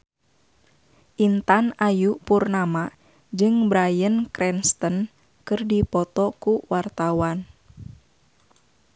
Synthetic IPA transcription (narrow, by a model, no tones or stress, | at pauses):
ʔint̪anajupurnama | d͡ʒɨŋbɾajənkɾɛnst̪ən | kɨrdipɔt̪ɔkuwart̪awan